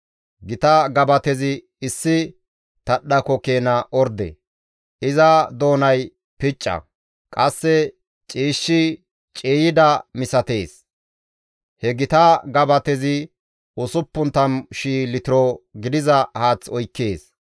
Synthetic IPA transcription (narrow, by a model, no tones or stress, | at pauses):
ɡɪt̪ɐɡɐbɐt̪ɛzɪː | sːɪ | t̪ɐɗːɐkɔkeːnɐʔɔɾd̪ɛ̰ | ʔɪzɐd̪o̞ːnɐj | pɪt͡ʃʼːɐ̰ | kʼɐsːɛ | t͡ʃʼiːʃːɪ | t͡ʃʼeːjɪd̪ɐmɪsɐt̪e̞ːs | hɛɡɪt̪ɐɡɐbɐt̪ɛzɪ | ʊsʊpːʊnt̪ɐmʃiːlɪt̪ɪɾɔɡɪd̪ɪzɐhaːt͡sɔjkːeːs